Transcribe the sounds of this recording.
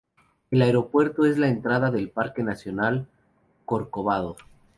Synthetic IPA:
e̞laeɾo̞pwe̞ɾt̪o̞e̞zlaent̪ɾaðaðe̞lpaɾke̞nasjo̞nal | koɾkoβaðo

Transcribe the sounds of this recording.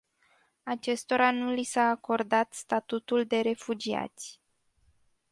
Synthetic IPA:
at͡ʃe̞st̪o̞ɾanulisaːko̞rd̪at̪st̪at̪ut̪uld̪e̞ɾe̞fud͡ʒia̰t̪sʲ

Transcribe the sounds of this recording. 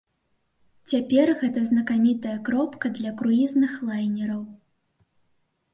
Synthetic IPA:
t͡sʲapʲɛrɣɛt̪ɐznɐkamʲit̪ɐjɐkɾɔpkɐd̪lʲɐkɾuiznɨxlˠajnʲɛɾɐw

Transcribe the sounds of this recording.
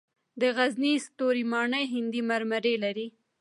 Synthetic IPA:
d̪əɣaznist̪oɾimɑɳəjɦɪnd̪imaɾmaɾelaɾi

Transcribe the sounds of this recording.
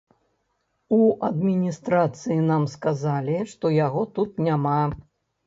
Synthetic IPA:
uʔɐd̪mʲinʲist̪ɾat̪sɨjinamskazalʲiʂt̪ɔjaɣɔt̪ut̪nʲama

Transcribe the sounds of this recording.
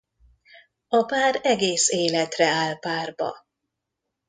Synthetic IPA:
ɒpaːɾɛɡeːseːlɛt̪rɛaːlpaːrbɒ̰

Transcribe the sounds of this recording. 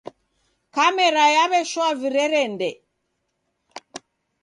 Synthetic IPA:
kamɛɾajaβɛʃwaviɾɛɾɛndɛ

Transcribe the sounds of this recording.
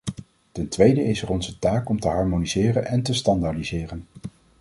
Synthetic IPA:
tɛntʋejdəɪsɛrɔnzətaːkɔmtəɦɑɹmonizɪːrənɛntəstɑndadizɪːrən

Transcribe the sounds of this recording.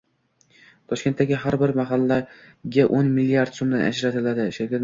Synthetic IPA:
t̪ʰɒʃkʲe̞nt̪ːaɡʲɪɦaɾbɪɾmaɦalːa | ɡʲaʔonmɪlːiaɾd̪somd̪a̰nʔa̰d͡ʒɾat̪ʰɪlad̪ɪʃeɾkʲat̪

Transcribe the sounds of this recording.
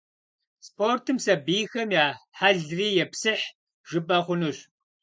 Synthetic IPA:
spʰoːrtʰɨmsɐbiːxɐmjaːħaɮriːjɛpsɨħ | ʒ̥ɨbʼɐχʷʊnuɕ

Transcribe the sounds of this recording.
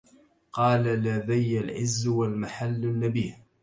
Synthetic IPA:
qɑːlalaðajːalʕɪ̰zːwalmaħalːanːabiːh

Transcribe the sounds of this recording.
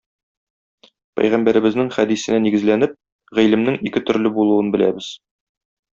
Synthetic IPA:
pæ̰jʁæmbæɾɘ̆bɘ̆znɘŋχæd̪isɘ̆næniɡɘ̆zlænɘp̚ | ʁilɘ̆mnɘŋikɘt̪ɵ̆ɾlɘbulˠuwɤnbɘ̆læ̰bɘz̥

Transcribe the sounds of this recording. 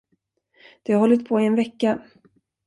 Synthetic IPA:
d̪̥ɛhaɾɦɔlːɪt̪̚pʰoːɪɛnvɛkːa

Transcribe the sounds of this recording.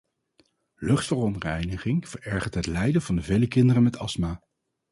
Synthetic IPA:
lɵχtfərɔntrɛjnəχɪŋv̥əɹɛɹχəɹtɦətlɛjdəvɑndəvejləkɪndərəmɛtɑsmaː

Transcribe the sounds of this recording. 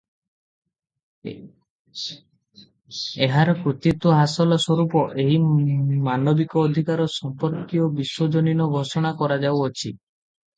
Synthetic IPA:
eɦaɾɔkɾut̪it̪wɔɦasɔlɔsɔɾupɔʔeɦimanɔbikɔːd̪ʱikaɾɔsɔmpɔɾkiɔbiswɔd͡ʒɔninɔɡʱɔsɔɽ̃akɔɾad͡ʒawɔt͡ʃʰi

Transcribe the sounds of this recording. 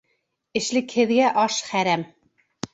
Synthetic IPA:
ɘ̆ʃlɘ̆khɘ̆ðɡæʔɑʃχæɾæm

